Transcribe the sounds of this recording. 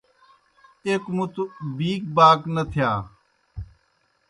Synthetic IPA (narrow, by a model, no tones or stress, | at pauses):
eːkmʊt̪biːk̚baːknət̪ʰɪjaː